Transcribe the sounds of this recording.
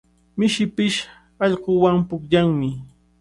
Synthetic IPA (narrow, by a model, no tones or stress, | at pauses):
mɪʃɪpɪʃ | ɑʎqowampʊkʎaŋmɪ